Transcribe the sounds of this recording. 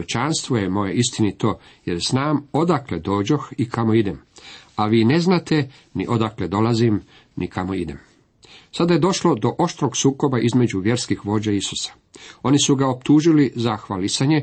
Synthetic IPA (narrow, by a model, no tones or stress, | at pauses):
et͡ʃanst̪ʋojemo̞je̞ist̪init̪o̞ː | je̞ɾsnaːmo̞d̪akle̞d̪o̞ːd͡ʑoxikamoid̪emaʋiːne̞znat̪e̞ | nḭʔo̞d̪akle̞d̪o̞lazim | nʔikamo̞id̪e̞m | sad̪aje̞d̪o̞ʃlo̞d̪o̞ʔo̞ʃt̪ɾo̞ɡsuːko̞baʔizme̞d͡ʑuʋje̞ɾskixʋo̞ːd͡ʑeisu̥sḁ | o̞nisuɡaopt̪uːʒilizaxʋalisaɲe̞